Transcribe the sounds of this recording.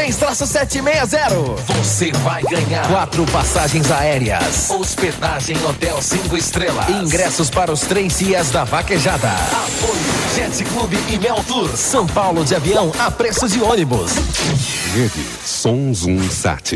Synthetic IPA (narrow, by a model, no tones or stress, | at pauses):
t̪ẽj̃st̪ɾasʊsɛt͡ʃɪmejɐzɛɾʊvosevajɡɐ̃ɲaɾkwat̪ɾʊpasaʒẽj̃zaɛɾiɐ̰sosped̪aʒẽj̃ot̪ɛwsĩŋkʊɪst̪ɾelɐ̰ĩŋɡɾɛsʊspaɾɐʊst̪ɾezd͡ʒiɐzd̪ɐvakeʒad̪ɐ̰apojʊʒɛsɪklubɪʔɪmɛwt̪uɾsɐ̃w̃pawlʊd͡ʒɪaviɐ̃w̃apɾesʊd͡ʒɪõnibʊ̰s | vedɪ̰ | sõw̃zũḭ̃sa̰t͡ʃɪ